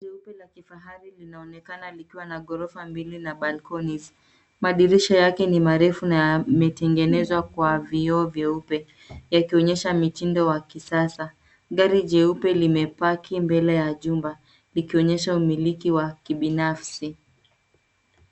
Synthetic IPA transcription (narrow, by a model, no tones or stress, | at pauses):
d͡ʒɛupɛlakifaɦaɾilinaɔnɛkanalikiwanaɠɔɾɔfambilinaɓalkɔniz | maɗiɾiʃɔjakɛnimaɾɛfunajamɛtɛŋɡɛnɛzwakwaviɔːvjɛupɛ | jakiɔɲɛʃamitindɔwakisasa | ɠaɾiʄɛupɛlimɛpakʰimbɛlɛjaʄumba | likiɔɲɛʃaumilikiwakiɓinafsi